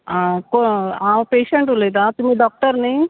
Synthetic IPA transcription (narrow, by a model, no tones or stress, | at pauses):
akoaːpeːʃeɳʈuleːd̪aːt̪umːiɖɔːk̚ʈɐɾni